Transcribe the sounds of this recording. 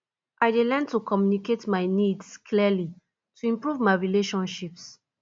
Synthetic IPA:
ʔaɪdelɛntukɔmjuniketmaɪnidskʰlili | tʰuĩmpɹuvmaɪɹileʃɔ̃nʃips

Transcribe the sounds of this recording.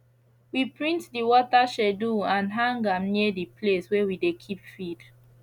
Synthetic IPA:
wipɹĩntdiwɔtaʃɛduãnɦãŋɡamnidipʰleswɛwidekʰipfid̥

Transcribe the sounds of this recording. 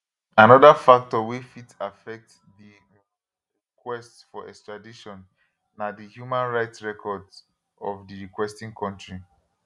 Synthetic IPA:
anɔdafak̚tɔwifitafɛk̚t | di | ɹikwɛstsfɔʔɛ̰kstɹadiʃɔ̃nː | adihjumãnɹaɪtsɹɛkʰɔd | ɔvdiɹikwɛstĩŋkʰɔ̃ntɹi

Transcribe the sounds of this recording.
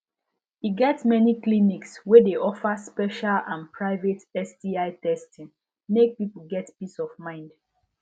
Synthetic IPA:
iɡɛtmɛniklinikswedeʔɔfəspɛʃalãnpɹaɪvetɛsdiaɪtɛstĩŋ | mek̚pipəl̩ɡɛtpisɔvmãɪ̃nd

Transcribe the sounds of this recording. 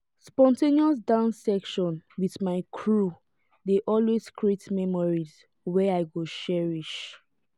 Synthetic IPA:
spɔ̃nteniɔs̬dãʊ̃nsɛkʃɔ̃nwiðmaɪkʰɹu | deʔɔlwez̥kɹietmɛmɔɹiz | wɛaɪɡoʃɛɹiʃ

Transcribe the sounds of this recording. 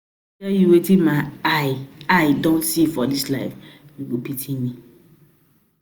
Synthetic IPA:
tɛjiwetimãaɪaɪdõntsifɔdislaɪfwibopitʰĩjĩ

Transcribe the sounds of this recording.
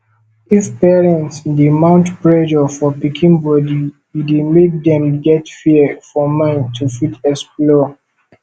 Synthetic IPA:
ifpɛɹɛ̃ntsdemãʊ̃ntpɹɛd͡ʒɔfɔpikʰĩnbɔdi | idemek̚dɛ̃mɡɛtfiəfɔmãɪ̃ntʰufitɛksplɔ

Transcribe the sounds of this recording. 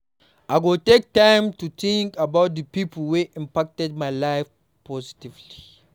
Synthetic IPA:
ʔaɪɡotek̚tãɪ̃mtuθĩŋkabaʊt̚ðəpipʰəl̩weʔĩmpak̚tɛd̚maɪlaɪf | pʰɔzitivli

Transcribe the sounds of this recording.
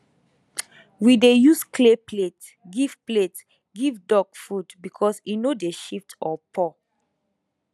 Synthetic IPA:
widejuskʰleplet | ɡiv̥plet | ɡivdɔɡfudbikʰɔsinodeʃiftɔpʰɔ

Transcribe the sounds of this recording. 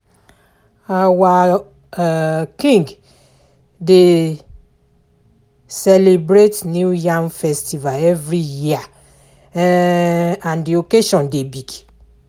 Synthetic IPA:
awa | kĩŋɡ | de | sɛlebɾetnjujãmfɛstivalɛvɹijia | ãndiokeʃɔ̃ndebiɡ

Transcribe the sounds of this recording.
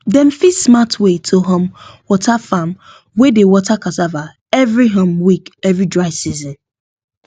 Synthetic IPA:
dɛ̃nfismatwetʰoɦɔ̃mwɔtʰafam | wedewɔtʰakazava | ɛvɹiɦɔ̃mwikɛvɹidɹaɪsizɔ̃n

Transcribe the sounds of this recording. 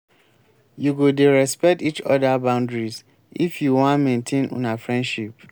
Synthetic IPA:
juɡodeɹɛspɛk̚tit͡ʃɔdabãʊ̃ndɹiz | ifjuwɔ̃nmẽntʰẽnõ̰nafɹɛ̃ndʃip

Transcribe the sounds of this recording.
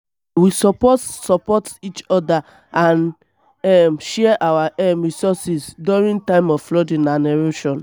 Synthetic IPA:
wisɔpɔsɔpɔtit͡ʃɔda | ãn | ɛmʃɛɛʔawaʔɛmɹisɔsisduɹĩŋtãɪ̃mɔvflɔdĩnãnɛɹoʃɔ̃n

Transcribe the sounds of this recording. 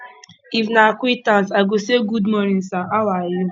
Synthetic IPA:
ivnakʷitãnsaɡoseɡudmɔɾĩsaʔalaji

